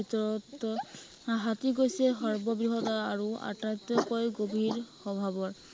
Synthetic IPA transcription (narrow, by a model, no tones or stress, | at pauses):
itɔɹɔt | ɦatiɡojsɛxɔɹbɔbɹiɦɔtaaɹua̰tajt̪ɔkojɡobʱiɹxɔbʱabɔɹ